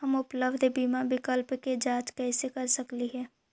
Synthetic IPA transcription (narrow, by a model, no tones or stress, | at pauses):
ɦɐmʊpləbd̪ʱbiːmabɪkəlpked͡ʒaːt͡ʃkɛːsekɐɾsɐkliɦɛː